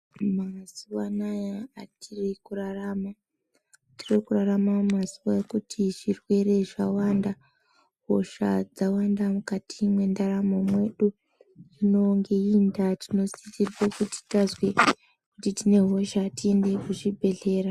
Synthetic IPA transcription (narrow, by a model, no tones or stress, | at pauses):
masuwanajaatʰirikurarama | tirikuraramamasuwajekutʰiʐirwe̞ɾe̞ʐawanda | ɦo̞̰ʃa̰d͡zawandamukatʰimwe̞ndaɾamo̞mwe̞ɗu | ino̞ŋɡeindatino̞sitirwokuti̥tazwe | kutitine̞ɦo̞ʃatie̞nde̞kuʐibʱe̞ɮe̞ːɾa